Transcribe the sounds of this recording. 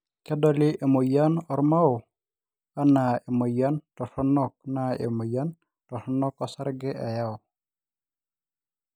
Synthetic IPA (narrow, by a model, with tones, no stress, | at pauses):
kɛ˦dɔlɪ˦ʔe˨mo˨ja˦nɔ˨ɾma˦o˨ | a˦na˨e˨mo˨ja˦ntɔ˨sɔnɔ˦k̚naḛ˨mo˨ja˦n | tɔ˨hɔnɔ˦kɔ˦sa˦ɾɡɛ˦ʔa˨ja˦ʊ˨